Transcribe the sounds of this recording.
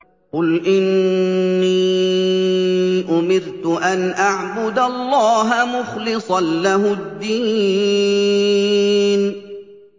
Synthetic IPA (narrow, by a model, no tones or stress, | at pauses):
qʊlʔɪnː | iː | ʔʊmɪɾt̪ʊʔanʔaʕbʊd̪alˤːɑːɦamʊxlɨsˤɑnlaɦʊd̪ːiː | n